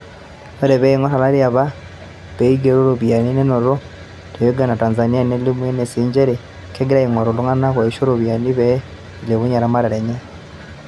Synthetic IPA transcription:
e˦ɾe˨βe˦iŋo˦ta˨la˦lja˨βa˦ | βe˦iɡeɾu˦ɾuβja˨ni˦ne˦no˨ɾo˦ | te˨joɡa˨na˨taː˨nza˨ni˦a˦ne˦limwe˦ne˨siːɲd͡ʒe˦ɾi | keɡi˦ɾa˦iŋo˨ɾu˨lu˦ŋa˦na˦kwa˨iʃo˦ɾoβja˨niβe˦ | leβu˦ɲa˨ɾama˦ɾe˨ɾe˨ɲa˦

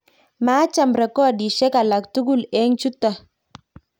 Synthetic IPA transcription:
maː˨˦t͡ʃa˨mbɾa˨kɔ˦a˨di˨ʃɛ˦ka˨la˨k̚tu˦ɡu˦˨lɛ˦ŋt͡ʃu˦ta˨

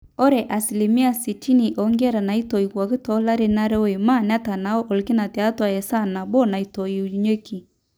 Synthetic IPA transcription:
ɔ˦ɾɛ˨ʔa˨si˨li˨mi˦a˦si˨tʰi˦ni˨ʔɔ˨ŋɡɛ˦ɾa˨na˨i˦tɔ˨i˨kwa˨ki˦tɔ˦la˦ɾe˦na˦ɾɛ˦we˨ma˦˨n˦a˦ta˨na˨ɔ˦ʔɔ˨lki˦na˨tɛ˨a˦twa˨jɛ˨sa˦˨na˨bɔ˦na˨i˨tɔ˨i˨u˨ɲe˦ki˨

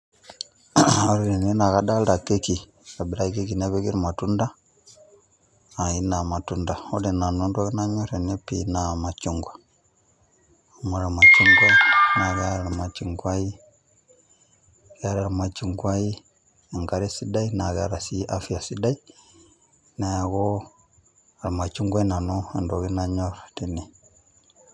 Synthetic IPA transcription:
a˨ɾi˨ɾe˨ne˦na˨ɣa˦ɗa˦la˨ke˦ki˨ | ɾa˨bi˨ɾa˦ke˦ki˨ne˦βe˦ki˦ɾi˨ma˨tu˦nda˦˨ | i˦na˨ma˨tu˦nda˨o˦ɾe˨na˨nu˦nda˦ɣi˦na˦ɲo˦ɾe˨ne˦pḭ˨na˨ma˨t͡ʃu˨ŋɡwa˨ | mo˨ɾa˨ma˨t͡ʃu˦ŋɡwa˦na˨ɣa˦ɾaa˨ma˨t͡ʃi˨ŋɡwa˦i˦ | ɣa˦ɾa˨ɾama˨t͡ʃi˨ŋɡwa˦i˦ | e˨ŋɡaɾe˦si˦da˦ina˨ɣa̰˦ɾa˨si˦ʔafi˦a˨si˦da˦i˦ | na˨ja˨ɣo˦ | a˨ɾa˨ma˨t͡ʃu˦ŋɡa˦na˨noe˨ndo˨ɣi˦na˦ɲo˦ɾati˨ni˨

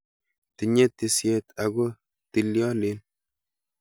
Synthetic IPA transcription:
ti˨ɲe˦tːi˨sje˦tʰa˨ɡo˦ | ti˨ljɔ˦lɪ˦n

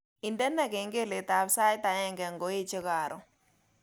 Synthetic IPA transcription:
i˨ndɛ˦nɛ˦˨ke˨ŋɡe˦˨le˨t̪a˨bsa˦ɪ˦t̪a˨jɛ˦˨ŋɡɛ˨ŋɡo˨˦e˦t͡ʃɪ˦ka˨ɾʔɔ˨

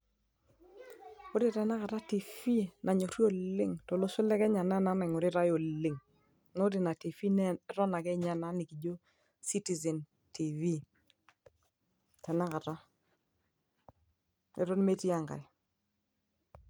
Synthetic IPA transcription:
o˦ɾɪ˦tɛ˨na˦ka˨ta˦ti˨fi˦na˨ɲo˨ɾjo˦˨lɪ˦ŋto˨lo˦sʊ˦lɛ˦kɛ˦ɲa˨na˦na˦na˨ŋo˨ɾɪ˦ɾa˦jo˨lɪ˨ŋ | no˦ɾɪ˨na˨ti˨fi˦nɛ˦ɾɔ˦na˨kɛ˦ɲa˨na˦ni˨ki˨d͡ʒo˦ | si˦ti˨zɛ˨n | ti˨vi˦ | tɛ˨na˦ka˨ta˦ | ɛ̰˨ɾɔ˦n˦me˦ti˦a˨ŋɡa̰˨j

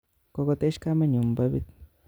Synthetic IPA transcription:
ko˧ko˧t̪e˦ʃka˦me˦ɲu˨mba˧˦bḭ˦t̪

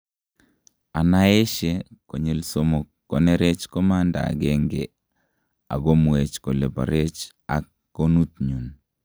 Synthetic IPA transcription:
a˨na˦e˦ʃe˦ko˨ɲe˨lso˦mo˨kːo˨ne˦ɾe˦t͡ʃkɔ˦ma˦nda̰ː˨ɡe˦ŋɡe | a̰˨ɡo˦mwe˨t͡ʃko˨le˨pa̰˨ɾe˦t͡ʃ | a˨kːo˦nu˦t̪̚ɲu˨n

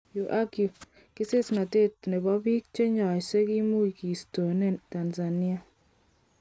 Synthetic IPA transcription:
ju˨ʔa˦ɡju˨ | ki˦se˦sna˨te˦tnɛ˨bɔ˦bi˦k̚t͡ʃe˦ɲɔ˨se˦ki˦mu˦i˨ki˨sto˨ne˦ta˨nza˨ni˦a˦

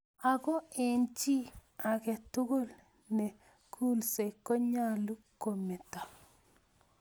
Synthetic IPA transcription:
a˨kɔ˦e˨nt͡ʃi˦a˨kɛ˨tʊ˦ɡo˦l | nɛ˨ | kʰu˦lse˨kɔ˦ɲa˦lu˦ko˨mɛ˨ta˨

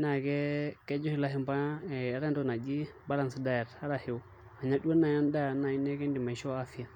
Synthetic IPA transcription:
na˨kɛ˦kɛ˦d͡ʒɔ˦hi˦la˦ɦi˦mba˦ɛ˨a˦ɾa˦n˦do˦na˨d͡ʒi˦ba˦la˨nsi˦da˦jɛ˨ɾa˦ɾa˨hi˦˨ | a˨ɲa˦du˦a˦na˨ja˦nda˦na˨i˦nɛ˦kɛ˦ndi˨ma˨ʃo˦a˦fi˦ja˨

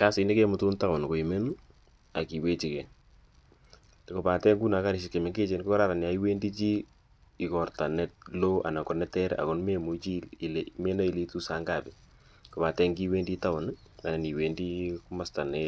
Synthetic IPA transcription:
ka˦si˨ne˦ke˦mʊ˦tu˦nta˦ʊ˨nko˨i˨me˦n˦ | a˨ki˨we˦t͡ʃi˨kɛ˨ | kɔ˨pa˨tɛ˦ŋɡu˦na˨˦ka˦ɾɪ˨ʃɪ˨ke˨me˨ŋɡe˦t͡ʃe˦nkkɔ˦ɾa˦ɾa˨nja˨i˦we˦ndi˦t͡ʃi˦ | i˨kɔrta˨nɛ˦t̚lo˦ʔa̰˨na˨kɔ˨nɛ˦tɛ˦ɾ̰a̰˨kɔ˨nme˦mu˨˦t͡ʃi˦˨lme˦na˦i˨le˦tu˦sa˨˦ŋɡa˨bi˨ | kɔ˨pa˨tɛ˦ŋɡi˦we˦ndi˦ta˦ʊ˨n | a˨nɛ˨ni˨we˨ndi˦ku˦ma˨sta˨nɛ˦

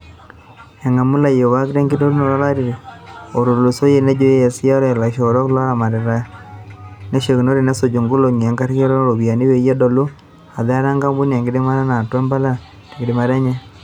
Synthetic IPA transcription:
e˨ŋa˨mu˦la˨jo˨wa˦ki˦ɾe˦ŋɡi˦do˦ɾu˦no˨ɾa˦la˦ɾi˨ɾe˨o˨ɾo˨lo˨so˦je˨ne˦d͡ʒo˦je˨si˦a˦ɾe˨la˨ʃo˨ɾo˦kla˦ɾa˨ma˨ɾe˨ɾa˦ | ne˦ʃe˨ki˨no˦ɾi˦˨ne˦so˨d͡ʒo˨ŋɡu˦lo˨ŋ˨e˨ŋɡa˦ɾi˦ke˦ɾɔ˦ɾo˨βi˨a˨ni˦we˨ja˦do˨lu˦ | a˨ðɛ˦ɾa˦ŋɡa˦mbu˦ne˨ŋɡi˦di˦ma˦ɾa˦na˨twe˦mba˦la˦ | de˨ɡi˨di˨ma˨ɾa˦ɲe˦

